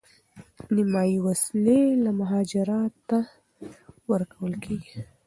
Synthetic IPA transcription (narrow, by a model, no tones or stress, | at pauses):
nɪmɑjiwaslelamʊɦɑd͡ʒɪɾɑt̪ːa | wəɾkawəlkʰeɡi